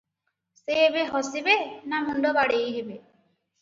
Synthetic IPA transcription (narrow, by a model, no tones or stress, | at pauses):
seebeɦɔsibenamuɳɖɔbaɽejɦibe